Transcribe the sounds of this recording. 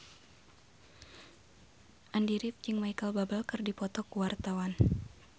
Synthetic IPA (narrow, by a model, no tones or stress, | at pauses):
ʔandiɾɪp̚d͡ʒiŋmaikalbabalkɨrdipɔt̪ɔkuwart̪awan